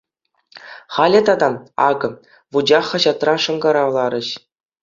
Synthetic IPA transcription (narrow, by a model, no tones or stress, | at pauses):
χɑlʲɘ̆t̪ɑd̪ɑɑ̰ɡɤ̆ | ʋud͡ʑɑχːɑ̆ʑɑt̪rɑʂɤ̆ŋɡɑɾɑʋlˠɑɾʲɘ̆ɕ